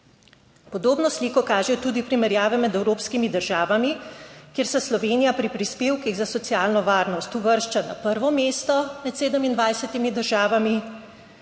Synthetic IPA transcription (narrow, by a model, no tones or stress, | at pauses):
pɔd̪oːbnɔsliːkɔkaːʒɛt̪uːd̪ipɾimɛɾjaːʋɛmɛd̪ɛwɾoːpskimid̪əɾʒaːʋamikjeːɾsɛslɔʋeːnijapɾipɾispeːwkiɣzasɔt̪sijaːlnɔʋaːɾnɔst̪uʋəɾʃt͡ʃana̰pəɾʋɔmeːst̪ɔmɛt̪seːd̪əmind̪ʋajsɛt̪imid̪əɾʒaːʋami